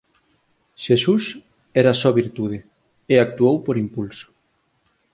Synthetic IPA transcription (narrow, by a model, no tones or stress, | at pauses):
ʃesus | ɛɾasɔβiɾt̪uð̞ɪ | eak̚t̪uowpoɾimpulsʊ̥